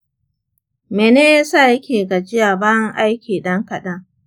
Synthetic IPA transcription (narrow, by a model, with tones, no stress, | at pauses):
meː˨neː˦jaː˦saː˦˨jɐ˦kʲeː˨ɡa˨d͡ʒɪ˦jaː˨baː˦jɐ˦ŋʔa˦jkʲiː˨ɗɐ˦ŋkɐ˨ɗɐ˦ŋ